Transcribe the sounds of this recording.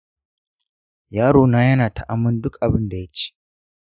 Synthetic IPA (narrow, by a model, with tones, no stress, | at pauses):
jaː˦ɾoː˨naː˦jɐ˦naː˨ta˨ʔa˨mːʊ˦ndʊ˦kʔa˨bɪ˦nda˨ja˦t͡ʃe̥˦˨